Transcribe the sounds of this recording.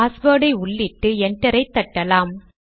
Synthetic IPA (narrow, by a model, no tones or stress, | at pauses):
aːsboːɽɐɪʊɭːɪʈːɯɛɳʈɐɾɐɪt̪ːɐʈːɐlaːm